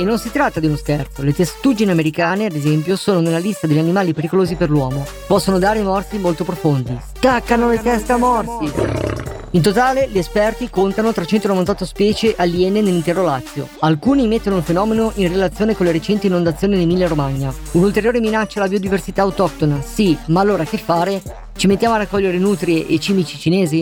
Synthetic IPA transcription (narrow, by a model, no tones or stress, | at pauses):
enonsit̪ɾat̪ːad̪iunoskɛrt̪olet̪esḁt̪ud͡ʒiniameɾikaːnead̪ezɛmpjosoːnonelːalist̪ad̪eʎːanimaːlipeɾikoloːziperlwɔːmo | pɔsːonod̪aːɾemɔrsimolt̪opɾofond̪i | t̪akːanolet̪ɛst̪amɔrsi | int̪ot̪aːleʎiespɛrt̪ikont̪anot̪ɾat͡ʃɛnt̪onovant̪ɔt̪ːospɛːt͡ʃeʔaljɛnenelːint̪ɛːɾolat̪sːjo̰alkuːnimet̪ːonoulfenɔːmenoʔinrelat̪sːjoːnekonleɾet͡ʃɛnt̪iːnːond̪at̪sjoːnid̪emilːaɾomaɲːa | unult̪eɾjoːɾeminat͡ʃːalabiod̪iversit̪aːwt̪ɔk̚t̪onasimaːlːoːɾakefːaːɾe | t͡ʃimet̪ːjaːmoaɾakːɔʎːeɾenut̪ɾieʔet͡ʃiːmit͡ʃit͡ʃineːzi